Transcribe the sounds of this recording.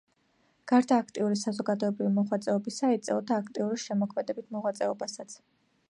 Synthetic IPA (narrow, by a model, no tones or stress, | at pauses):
ɡ̥aɾd̪aːkʰt̪ʼiuɾisazɔɡad̪ɔɛbɾivimɔʁwat̪sʼɛɔbisait̪sʼɛlɔd̪aːkʰt̪ʼiuɾiʃɛmɔkʰmɛd̪ɛbit̪ʰmɔʁwat̪sʼɛɔbasat̪sʰ